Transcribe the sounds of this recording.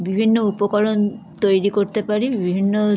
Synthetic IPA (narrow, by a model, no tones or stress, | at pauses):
bibʱinːoupɔkɔɭon | t̪ojɾikoɾt̪epaɾibibʱinːo